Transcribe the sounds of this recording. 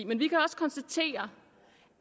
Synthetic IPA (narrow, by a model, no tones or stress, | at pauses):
menʋikʰæɒ̽sə̥kʰɒ̽nsd̥æt͡sʰe̝̰ːɐ